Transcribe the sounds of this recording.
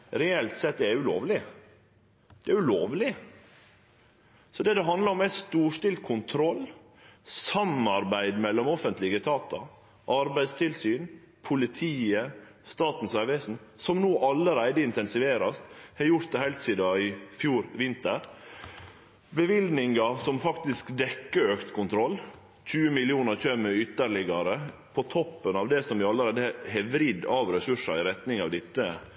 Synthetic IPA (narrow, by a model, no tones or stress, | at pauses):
ɾɛɛlt̪sɛt̪̚ːd̪ɛæɾʉlo̰ːʋlɪ | d̪̥ɛæʉloːʋlɪ | sɔd̪ɛd̪ɛɦɑnd̪lɑɾɔmæɪst̪uːʂʈɪlt̪kʰʊnt̪ʰɾɔlː | sɑmːɑɾbæɪd̪mɛlːɔmɔfənt̪lɪɡət̪ʰɑːt̪ɔ | ʔɑɾbæɪst̪ʰɪlsyːn | pʰʊlɪt̪ʰiːə | st̪ɑːt̪n̩sæɾʋesn̩sɔmnoːʔɑlːəɾæɪd̪əɪnt̪ɛnsɪʋeːɾɑst̪hɑjʊɾt̪̚d̪ɛhɛɪlt̪siːd̪ɑɪfjuːɾʋɪnt̪əɾ | bəʋɪld̪nɪŋɑsɔmfɑkt̪ɪskd̪ɛkːəøːkt̪kʰʊnt̪ʰɾɔlː | c͡çʰʉːəmɪlɪuːnəɾçœmːəʏt̪ːəɭɪɡɑɾəpʰɔt̪ʰɔpːənɑʋd̪ɛsɔmʋɪɑlːəɾæɪd̪əɛhɛʋɾɪd̪ɑːʋɾɛsʉʂɑ̰ɪɾɛt̪nɪŋɑʋd̪ɪt̪ːə